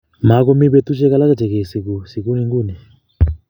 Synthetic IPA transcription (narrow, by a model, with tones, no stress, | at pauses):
ma˨˦ku˦mi˦βe˦tu˦t͡ʃɛ˦ka˦la˦kɛ˨d͡ʒɛ˨kɛ˨si˨ku˨si˨ku˦ni˦ŋɡu˦˨nɛ˨